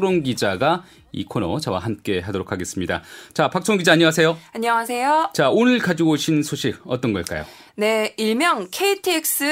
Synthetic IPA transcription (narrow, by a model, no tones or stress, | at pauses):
ɾoŋɡid͡ʑaɡa | ḭkʰonot͡ɕʌwa̰ɦamk͈e̞ɦadoɾokʰaɡe̞s͈ɯmɲida̰t͡ɕapak̚t͡ɕʰoŋɡid͡ʑaːɲʌwasʰe̞joaɲʌŋasʰe̞jot͡ɕaonɯɭkad͡ʑuɡoɕʰinsʰoɕʰiɡ̚ʌt͈ʌnɡʌɭk͈a̰jo̰ | ne̞iɭmjʌŋkʰeitʰiek̚s͈ɯ